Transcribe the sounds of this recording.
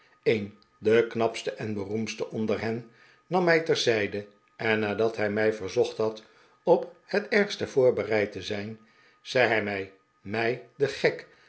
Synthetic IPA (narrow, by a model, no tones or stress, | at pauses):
en | dəknɑpstəʔɛnbərumstəʔɔndəɹɦɛnː | ɑmːɛjtɛɹzɛjdə | ʔɛnːaːdɑtɦɛjmɛjvəɹzɔχtɦɑt | ɔphətɛɹχstəv̥ʊːɹbərɛjtəzɛjn | z̥ɛjɦɛjmɛj | mɛjdəχɛk